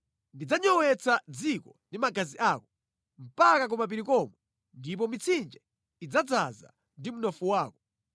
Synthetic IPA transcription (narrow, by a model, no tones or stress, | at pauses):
ndid͡zaɲɔwɛt͡sʰad͡zikɔndimaɡaziʔaːkɔ | m̩pakak̬ɔmap̬iɾikɔmɔ | ndip̬ɔmit͡sʰind͡ʒɛ | id͡zad͡zaza̰ | ndimunɔfuwaːkɔ